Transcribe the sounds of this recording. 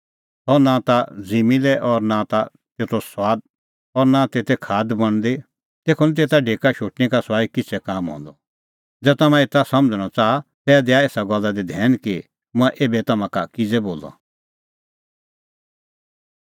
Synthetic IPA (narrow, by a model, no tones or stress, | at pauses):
ɦɔnãt̪ad͡zimilɛʔɔɾnãt̪a | t̪eːt̪oswaːd̪̚ | ɔɾnãt̪eːt̪ɛkʰaːd̪bɐɽ̃d̪e | t̪eːkʰɔnɛt̪̬eːt̪aɖʱeːkaʃoːʈnikaswaːikɪt͡sʰɛkaːmɦɔ̰̃ːnd̪ɔ | d͡zɛːt̪ɐmãet̪asɐ̃md͡zəɽ̃ɔt͡saːat̪ɛːd̪eaeːsaɡɔlːad̪id̪ʱɛːnki | mʊ̃ɛ̃ʔeːbɛt̪ɐmãkakid͡zɛboːlɔ̰